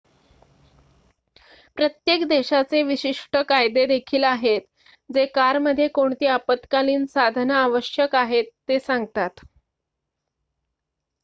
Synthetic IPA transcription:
pɾət̪jekd̪eɕat͡seʋiɕiʂʈəkajd̪ed̪ekʰiːlaɦet̪ | d͡zekaɾməd̪ʱjekoɳt̪iːapət̪kaliːnsad̪ʱnəaʋəɕjəkaɦet̪ːesãŋɡt̪at̪

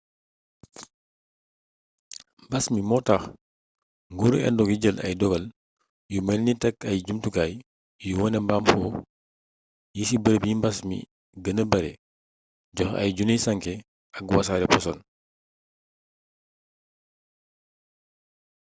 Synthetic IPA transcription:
mbɐsmimɔtaːx | ŋɡuɾɛ̰ndɔkiɟəlʔɐ̰jdɔɡɐl | jumɛlnitɛkːɐjɟumtukaːj | juwɔnɛmbamfɔː | jisibəɾəpjimbɐsmḭ | ɡənəbɐɾɛ̰ | ɟɔxɐ̰jɟunisɐŋkɛ | ɐkwasaːɾɛpɔsɔn

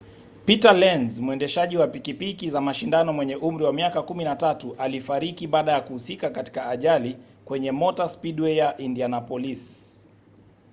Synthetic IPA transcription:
pitalɛnzmuɛndɛʃaʄiwapikipikizamaʃindanɔmwɛɲɛʔum̩ɾiwamiakakuminatatuʔalifaɾikiɓaːɗajakuhusikakati̥kaːʄali | kwɛɲɛmɔtaspiɗwɛjaʔindianapɔlis

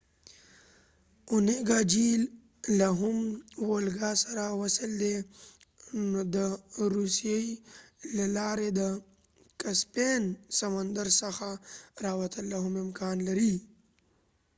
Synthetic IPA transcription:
ʊneɡaːd͡ʒiːl | laɦʊmwolɡasɐɾawɐsɪld̪e | nod̪əɾusjeilɐlaːɾed̪ə | kaspeːnsɐmənd̪əɾsəxaɾaːwɐt̪əlːaɦʊmɪmkaːnlɐɾi

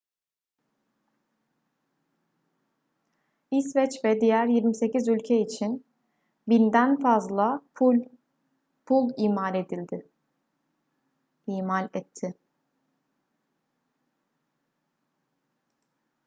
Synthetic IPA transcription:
isvɛt͡ʃvɛd̪ijæɾjiɾmise̞cizylʲcʰɛit͡ʃʰin | bind̪ænfazlˠa | pʰulˠiːmaɾe̞d̪ilʲd̪ɪ | iːmalʲɛt̪ʰːɪ

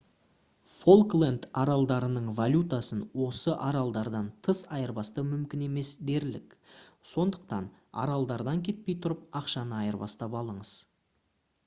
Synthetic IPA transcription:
folˠklˠend̪ɑɾɑlˠd̪ɑɾənəɴvalʲut̪asənwo̞səʔɑɾɑlˠd̪ɑɾd̪ɑnt̪ʰəsɑjəɾbɑst̪əmʏmkʲɪne̞me̞sd̪e̞ɾlɪ̰kso̞nd̪əq̚t̪ɑ̰nɑ̰ɾɑlˠd̪ɑɾd̪ɑŋkʲʰe̞t̪̚pe̞jt̪ʰʊɾəp̚ɑqʃɑnəɑjəɾbɑ̰st̪ɑpɑlˠəɴəz̥

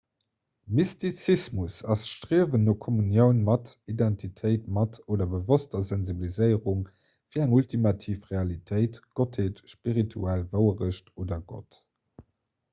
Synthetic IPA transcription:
mistit͡sismusɑsʃtʀiəvənːoːkʰɔmunjəʊnmɑtidæntʰitʰəɪtmɑtoːdɐbəvostɐzænzibilizəɪəʁuŋ | fiːɐæŋultʰimɑtʰiːfʁeɑlitʰəɪtɡ̥otheːtʃpiʁitʰuælvəʊəʁəʃtoːdɐɡo̰t

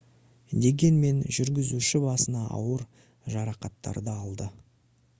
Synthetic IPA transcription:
d̪e̞ɡʲe̞nme̞nʒʏɾɡʲɪzuʃɪbɑsənɑʔɑ̰wəɾ | ʒɑɾɑqɑt̪ːɑ̰ɾd̪əɑlˠd̪ə

